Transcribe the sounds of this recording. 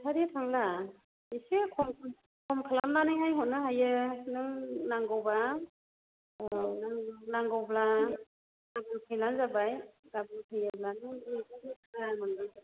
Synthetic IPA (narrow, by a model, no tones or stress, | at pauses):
sʰaɾitʰaŋla | isikʰɔmkʰ | kʰɔmkʰɯlamnanɯjɦajɦɔtnɯɦajɯnɯŋnaŋɡɯwba | naŋnaŋɡɔwbla | ɡabɯŋkʰɯjlanzabajɡabɯŋkʰɯjablanɯŋɯanɯkʰɯlamɯndɯ